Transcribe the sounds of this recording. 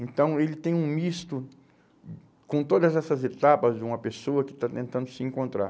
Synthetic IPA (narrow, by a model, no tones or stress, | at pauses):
ẽnt̪ɐ̃w̃elɪt̪ẽj̃ũmist̪ʊ | kõt̪od̪ɐzɛsɐzet̪apɐzd͡ʒɪũmɐpesoɐkɪ̥t̪at̪ẽnt̪ɐ̃nd̪ʊsɪẽkõnt̪ɾa̰